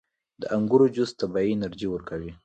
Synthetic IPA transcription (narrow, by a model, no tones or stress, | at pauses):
d̪əʔaŋɡuɾod͡ʒust̪abɑinaɾd͡ʒiwəɾkawi